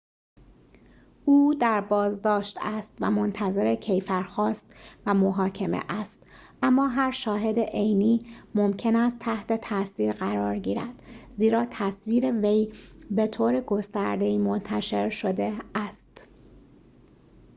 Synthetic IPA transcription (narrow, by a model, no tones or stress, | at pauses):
ʔuːd̪æɾbɒːzd̪ɒːʃt̪æst̪væ̰mo̞nt̪ʰæze̞ɾecʰe̞jfæɾxɒːst̪væmoɦɒːcʰe̞mḛʔæst̪ | ʔæmːɒːɦæɾʃɒːɦe̞d̪eʔejniːmomcʰe̞næst̪ʰːæht̪ʰe̞t̪ʰæsiːɾɢæɾɒːɾɟiːɾæ̰d̪̥ziːɾɒːt̪ʰæsviːɾevejbe̞t̪ʰoːɾeɡo̞st̪æɾd̪e̞iːmo̞nt̪ʰæʃe̞ɾʃo̞d̪eæst̪